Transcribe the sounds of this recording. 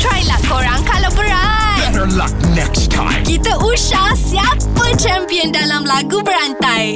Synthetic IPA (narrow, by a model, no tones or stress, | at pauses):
t̪ɹajlahkoɾãŋkalawbəɾatɡɛəlʌk̚nɛkstʰːã̰ɪ̃mkit̪aʔuʃahsiapət͡ʃɛmpiəndalamlaɡubəɾant̪aj